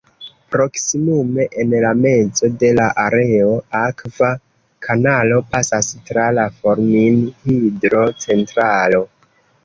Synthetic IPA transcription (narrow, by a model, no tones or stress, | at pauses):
pɾo̞ksimume̞ʔenlame̞d͡zo̞de̞laʔaɾe̞o̞akva | kʰanalo̞pasastɾalafo̞ɾminhidɾo̞t͡se̞ntɾalo̞